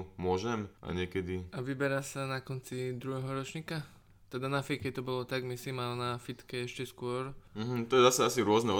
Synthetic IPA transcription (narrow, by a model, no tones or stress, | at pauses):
mʊɔʒɛmʔa̰ɲɪɛkɛd̪iʔaʋibɛɾasanakɔnt͡sid̪ɾuɦɛɦɔɾɔt͡ʃɲiːka | t̪ɛd̪anafikɛt̪ɔbɔlɔt̪aɡmisimalnafit̪kɛɛʃcɛskʊɔɾm̩ɦm̩t̪ɔjɛzasaasiɾʊɔznɛɔ